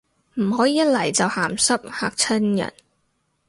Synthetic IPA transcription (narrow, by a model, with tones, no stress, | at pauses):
m̩˨˩ɦɔː˨˥jiː˨jɐ˥t̚lɐ˨˩jt͡sɐ˨whaː˨˩msɐ˥p̚ha̰ː˨k̚t͡sʰɐ˥njɐ̰˨˩n